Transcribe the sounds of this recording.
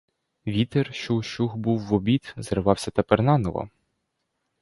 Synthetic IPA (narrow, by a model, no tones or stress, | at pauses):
ʋʲit̪erʃuʃuxbuwːɔbʲit̪zɾʋɑwsʲɐt̪ɐpɛrnɑnɔlˠɔ̰